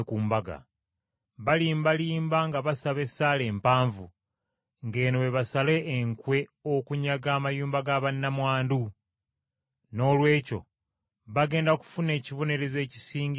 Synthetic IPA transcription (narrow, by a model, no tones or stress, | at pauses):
kuːmbaɡa̰ | βaliːmbaliːmbaŋɡaβasaβe̞sale̞ːmpaːɱvu | ŋɡe̞ːnoweβasale̞ʔːŋkwe̞okuɲaɡaːmajuːmbaɡaβanːamwaːndu | no̞ːlwe̞ːco̞̰ | βaɡe̞ːndaku̥fune̞ːciβo̞ne̞ɾe̞ze̞ːci̥siːŋɡ